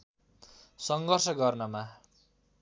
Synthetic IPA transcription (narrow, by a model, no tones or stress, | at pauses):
sʌŋɡʌrsʌɡʌrnʌma